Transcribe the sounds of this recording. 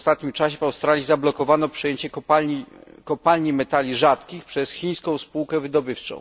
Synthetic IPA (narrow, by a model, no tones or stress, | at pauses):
st̪at̪̚ɲimt͡ʂaɕɛvawst̪ɾalʲjizablɔkɔvanɔpʂɛjeɲt͡ɕɛkaikɔpalɲimɛt̪alʲiʐat̪kʲixpʂɛsxʲij̃skɔ̃w̃spuwkɛvɘd̪ɔbɘft͡ʂɔ̰̃w̃